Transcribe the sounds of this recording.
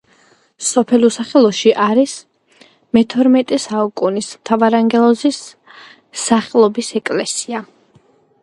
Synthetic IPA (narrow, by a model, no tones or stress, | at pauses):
sɔpʰɛlusaχɛlˠɔʃiʔaɾis | mɛt̪ʰɔɾmɛt̪ʼɛsaukʼunismt̪ʰavaɾaŋɡɛlˠɔzisː | aχɛlˠɔbisɛkʼlɛsia